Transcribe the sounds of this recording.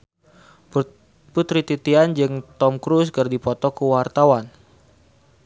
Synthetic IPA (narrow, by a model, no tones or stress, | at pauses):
put̪ɾit̪it̪iand͡ʒɨŋt̪ɔmkɾuskərdipɔt̪ɔkəwart̪awan